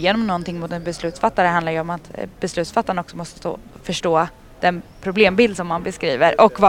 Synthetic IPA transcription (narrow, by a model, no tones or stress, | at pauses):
jeːnɔmnɔnt̪ɪŋːmʊt̪ɛnbɛslʉ̟ːt̪sfat̪ːaɾəãnd̪aɾjɵɔmat̪bɛslʉ̟t̪sfat̪ːaɾənɔksɔmɔst̪ə̥st̪o̰ːfœʂʈoː | d̪̥ɛnpʰɾʊbleːmbɪld̪sɔmːanbɛskɾiːvəɾʔɔkvɑ